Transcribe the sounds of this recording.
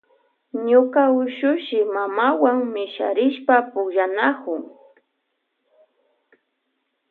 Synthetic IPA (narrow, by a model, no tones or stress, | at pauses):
ɲʊkaʊʃʊʃɪmamawaŋmɪʃa̰ɾɪʃpapʊkʒanakʊŋ